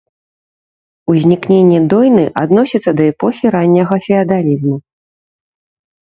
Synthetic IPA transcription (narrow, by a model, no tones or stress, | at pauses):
uzʲnʲiknʲenʲːɛd̪ɔjnɨʔad̪nɔsʲit̪sːɐd̪ɐɛpɔxʲiɾanʲːɐɣɐfʲɛɐd̪alʲizmu